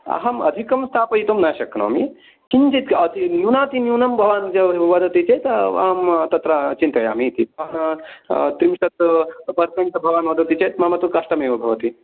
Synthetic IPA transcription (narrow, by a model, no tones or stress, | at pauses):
ɐ̰ɦɐmɐ̰d̪ʱikɐmst̪ʰaːpɐit̪omnaʃɐknɐ̰mi | kint͡ʃit̪kɐt̪injuːnaːt̪injuːnɐmbʱɐʋaːnd͡ʒɐbʋɐd̪ɐt̪it͡ʃɐt̪ɐɦɐmt̪ɐt̪ɾɐt͡ʃint̪ɐja̰ːmit̪ibʱɐʋaːn | t̪ɾimʃɐt̪pɐɾt̪ɐŋʈ̪bʱɐʋaːnʋɐd̪ʱɐt̪it͡ʃʰɐt̪mamɐt̪ukɐʂʈɐmeːʋɐbʱɐʋɐt̪i